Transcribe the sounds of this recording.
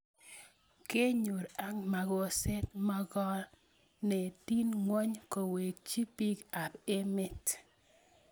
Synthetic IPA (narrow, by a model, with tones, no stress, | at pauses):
ke˦ɲu˨ɾa˦ŋma˨ɣo˨se˦t̪mɔ˦ɡɔ˦l | ne˨ti˦nŋwɔ˦ɲko˨we˨k̚t͡ʃi˦pi˦ka˨be˦mɪ˦t